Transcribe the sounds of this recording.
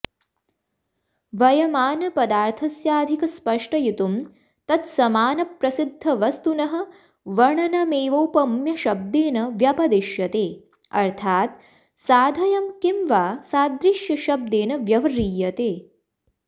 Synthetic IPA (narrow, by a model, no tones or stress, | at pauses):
ʋɐjɐmaːnɐpɐd̪aːɾt̪ʰɐsjaːd̪ʱikɐspɐʂʈɐjit̪um | t̪ɐt̪sɐmaːnɐpɾɐsid̪ʱːɐʋɐst̪unɐɦɐ̆ | ʋɐɳɐnɐmeːʋowpɐmjɐʃɐb̚d̪eːnɐʋjɐpɐd̪iʃjɐt̪eː | ɐ̰ɾt̪ʰaːt̪̚ | saːd̪ʱɐjɐmkimʋaːsaːd̪ɾiʃjɐʃɐb̚d̪eːnɐʋjɐʋɐɾiːjɐt̪eː